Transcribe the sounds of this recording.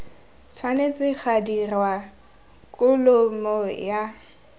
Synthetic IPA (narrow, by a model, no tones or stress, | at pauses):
t͡sʰwanet͡sʼɪk͡xʰadirwa | kʼʊlʊmɔja